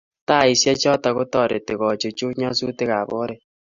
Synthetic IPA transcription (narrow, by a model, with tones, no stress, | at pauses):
ta˦˨i˨sja˦t͡ʃɔ˦ta˨ɣo˦tɔ˦˨ɾe˨te˨ɣɔ˨t͡ʃo˨t͡ʃo˦ɲɔ˦su˦te˦ɣa˨βo˦ɾe˦